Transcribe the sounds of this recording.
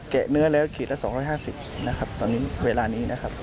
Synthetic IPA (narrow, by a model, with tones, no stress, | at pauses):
kɛ˨˩nɯ˦˥ɐlɛː˦˥˩wkʰeː˨˩lɛ˦˥ʔsɔː˩˦ŋɾɔː˦˥jhɦaː˥˩si˨˩p̚na˦˥kʰa˦˥p̚t̪ɔː˧nːiː˦˥weː˧laː˧niː˦˥nʔa˦˥kʰa˦˥p̚